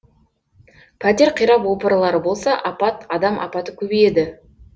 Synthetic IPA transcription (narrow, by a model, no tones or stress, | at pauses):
pʰæt̪ʲe̞ɾqʰijɾɑpwo̞pəɾlˠɑɾəbo̞lˠsɑʔɑpɑt̪ɑd̪ɑmʔɑ̰pɑt̪əkʲʰɵbeje̞d̪ɪ